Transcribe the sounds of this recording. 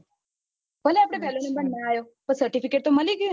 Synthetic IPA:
pəleaːpɽepɛːlonembəɾnːaaːjoː | pəɾsəɾʈipʰikeːʈ̚t̪oməliɡo

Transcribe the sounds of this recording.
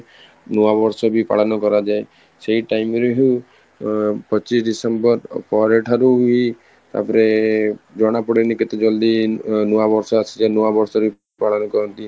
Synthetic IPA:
nuabɔɾsɔbipa̰ɭɔnɔkɔɾad͡ʒae | seɦiʈajmɾeɦu | pɔt͡ʃisɖisembɔɾpɔɾeʈʰaɾui | t̪a̰pɔɾed͡ʒɔɽ̃apɔɽenikit̪ɔd͡ʒɔld̪inuabɔɾsɔasʰid͡ʒanuabɔɾsɔɾi | paɭɔnɔkɔɾɔnt̪i

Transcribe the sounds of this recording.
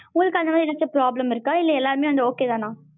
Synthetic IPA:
ʊŋɡɐlɯkːɐnd̪ɐmaːd̪iɪlɐt͡ʃːɯpɾaːblɐmɪɾɯkːaːɪlːɐɛlːaːɾɯmeːʋɐnd̪ɯoːkeːt̪ãːnãː

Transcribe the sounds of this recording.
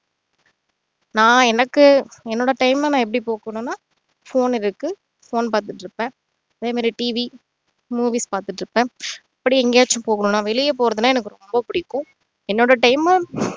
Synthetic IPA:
nãːɛnɐkːɯɛnːoːɽɐʈɐɪmnãːɛp̬ːɐɽipoːkɐɳʊ̃ːnːaː | foːnɪɾɯkːɯ | foːnpaːɾt̪ɯʈːɾɯpːẽː | ɐðeːmaːɾiʈiːʋi | muːʋiːspaːɾt̪ɯʈːɪɾɯpːẽːɐpːɐɽiɛŋɡeːt͡ʃːʊ̃poːkɐɳʊ̃ːnːaːʋɛɭɪjɐpoːɾɐðɯnaːɛnɐkːɯɾɔmbɐpʊɽɪkːʊ̃ | ɛnːoːɽɐʈɐɪm

